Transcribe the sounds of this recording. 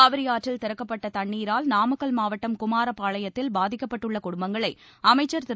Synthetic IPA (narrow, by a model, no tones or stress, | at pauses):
aːʋɐɾɪjaːʈrɪlt̪ɪɾɐkːɐpːɐʈːɐt̪ɐɳːiːɾaːlnaːmɐkːɐlmaːʋɐʈːɐmkʊmaːɾɐpːaːɭɐjɐt̪ːɪlbaːðɪkːɐpːɐʈːɯɭːɐkʊɽʊmbɐŋɡɐɭɐɪɐmɐɪt͡ʃːɐɾt̪ɪ